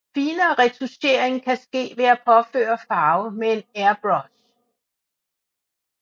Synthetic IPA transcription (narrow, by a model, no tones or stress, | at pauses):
fiːnɐːʁɛdʰuse̝̰ːɐe̝ŋkʰæsɡ̥e̝̰ːʋe̝æpʰɒ̽fø̰ːɐfɑ̈ːʊmee̝næɐb̥ʁɒs